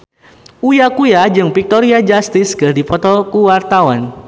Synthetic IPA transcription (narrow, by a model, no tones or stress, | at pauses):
ujakujad͡ʒɨŋpik̚t̪ɔɾiad͡ʒast̪ɪskərdipɔt̪ɔkuwart̪awan